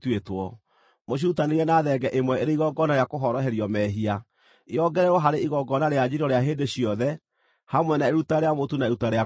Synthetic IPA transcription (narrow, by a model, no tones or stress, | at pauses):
twetwɔ | moɕ̬uutaneɾiɛnaðɛɡɛʔemwɛeɾeiɣɔɡɔnaɾeakoɦɔɾɔɦɛɾjɔmɛɦia | iɔɡɛɾɛɾwɔɦaɾeiɣɔɡɔnaɾead͡ʒiɾɔɾeaɦeːndeɕiɔðɛ | hamwɛnaeɾutaɾeamotunaeɾutaɾea